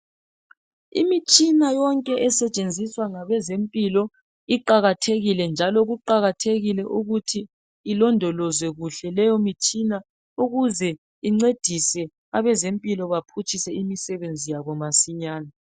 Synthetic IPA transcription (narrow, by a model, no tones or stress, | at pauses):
ḭmit͡ʃʼinajɔŋkʼɛʔɛsɛt͡ʃʼend͡zʱiswaŋaβɛzempʼilɔ | iǃaɣatʰeɣilɛnd͡ʒʱalɔɣuǃaɣatʰeɣilɛʔuɣutʰiː | lɔndʱɔlɔzwɛɣuɬɛlɛjɔmit͡ʃʼina | uɣuzɛ | iŋ͡ǀed̥ʱisɛ | aβɛzempʼilɔβapʰut͡ʃʰʼisɛimisɛβend͡zʱijaβɔmasiɲaːna